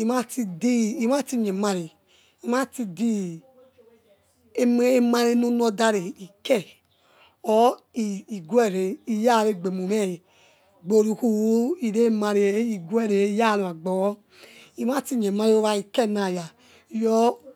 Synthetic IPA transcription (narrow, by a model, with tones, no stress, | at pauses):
i˨ma˦ti˧di˦˨i˨m˦a˦ti˧ɲe˨ma˧ɾi˨ | i˨ma˦ti˧di˦ | e˦e˦ma˧ɾe˧˦no˦n˦ɔ˧da˧ɾe˨i˨kɛ˦˨ | ɔ˦i˨i˨ɡɛ˦˨ɾe˨i˧ja˦˨ɾe˧˨ɡ͡be˨mu˨mɛ˦˨ | ɡ͡bo˧˨ɾu˧˨ku˦wo˦i˨ɾe˦ma˧ɾi˨e˨˦i˨ɡu˦ɛ˦˨ɾe˨˦ja˦˨ɾo˨a˨ɡ͡bɔ˨˦ | i˨m˦a˦˨ti˧ɲe˨ma˧ɾi˧˦o˧˦βa˧i˨kɛ˦˨na˨ja˨ | jɔ˦